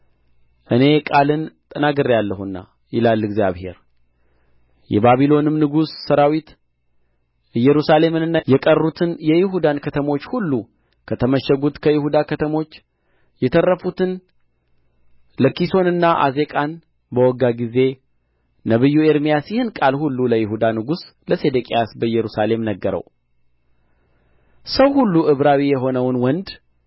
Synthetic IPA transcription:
ʔɨne̞kʼalɨnt̪ʼənaɡɨɾijalːəhunːa̰ | jɪlalːɨɡzija̰βhe̞̰ɾ | jɛ̰baβilo̞nɨmnɨɡussəɾawit̪ | jɛɾusale̞mɨnɨnːajɛkʼərːut̪ʰɨnjɛjɪɦud̪ankʰət̪ʰəmo̞t͡ʃːhulːu | kʰət̪ʰəməʃːɛɡut̪kʰəjɪhud̪akʰət̪ʰəmo̞t͡ʃː | jɛt̪ʰərːəfut̪ʰɨn | ləkiso̞nɨnːaʔa̰ze̞kʼan | bəwɔɡaɡize̞ | nəβɨjːue̞ɾmijasjɪhɨnkʼalhulːuləjɪɦud̪anɨɡusləse̞d̪əkʼejasbəjɛɾusale̞mnəɡːəɾə̰w | səwhulːuʔɨβɾawijɛɦo̞nəwnwɔnd̪

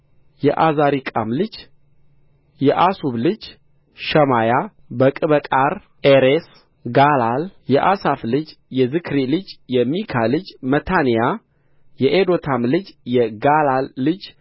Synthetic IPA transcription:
jɛʔazaɾikʼa̰mlɨd͡ʒ | jɛʔasuβlɨd͡ʒ | ʃəmaja | bəkʼɨβəkʼaɾ | ʔeɾes | ɡalaljɛʔasaflɨd͡ʒjɛzɨkʰɾilɨd͡ʒjɛmikʰalɨd͡ʒmət̪ʰanija | jɛʔed̪o̞t̪ʰamlɨd͡ʒjɛɡalalːɨd͡ʒ

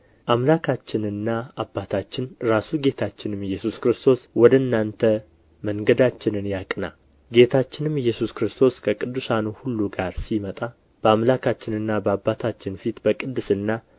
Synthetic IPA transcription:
ʔamlakʰat͡ʃːɪnɨnːaabːat̪ʰat͡ʃːɪnɾasuɡe̞t̪ʰat͡ʃːɪnɨmjːɛsuskɾɨst̪ʰo̞swɔd̪əɨnːant̪ʰə | məŋɡəd̪at͡ʃːɪnɨnjakʼna̰ | ɡe̞t̪ʰat͡ʃːɪnɨmjːɛsuskɾɨst̪ʰo̞skʰəkʼɨd̪ːusanuhulːuɡaɾsimət̪ʼa | b̥əamlakʰat͡ʃːɪnɨnːabəabːat̪ʰat͡ʃːɪnfit̪bəkʼɨd̪ːɨsɨnːa

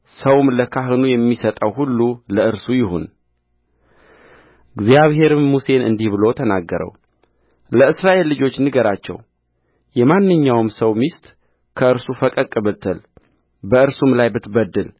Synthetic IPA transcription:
səwmləkʰaɦɨnujɛmːisət̪ʼəwɦulːuləʔɨɾsujɪɦo̰n | ɨɡzjaβɦe̞ɾɨmːuse̞nɨ̰nd̪ihbɨlo̞t̪ʰənaɡːəɾə̰w | ləɨsɾaʔe̞lːɨd͡ʒo̞t͡ʃːnɨɡəɾat͡ʃːɛ̰w | jɛmanːɨɲːawmsəwmist̪ʼ | kʰəɨɾsufəkʼəkʼɨbɨt̪ʰɨl | bəɨɾsumlajbɨt̪bəd̪ːɨl

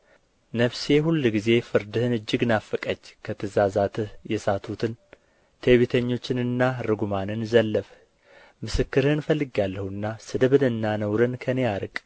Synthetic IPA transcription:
nəfse̞ɦulːɡize̞fɨɾd̪ɨhɨnɨd͡ʒːɪɡnafəkʼəd͡ʒːkʰət̪ʰɨzazat̪ʰɨhjɛsat̪ʰut̪ʰɨn | t̪ʰeβit̪ʰəɲːo̞t͡ʃːɪnɨnːaɾɨɡumanɨnzəlːəf | mɨsɨkːɨɾhɨnfəlːɨɡalːəhuɨnːasɨd̪ɨβɨnɨnːanəwɾɨnkʰəne̞aɾɨkʼ

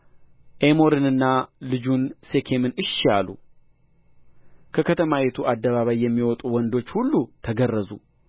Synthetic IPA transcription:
ʔemo̞ɾɨnɨnːalɨd͡ʒunse̞kʰe̞mɨnɨʃalṵ | kʰəkʰət̪ʰəmawet̪ʰuʔad̪ːəβaβajːɛmːiwɔt̪ʼuwɔnd̪o̞t͡ʃːhulːut̪ʰəɡərːəzṵ

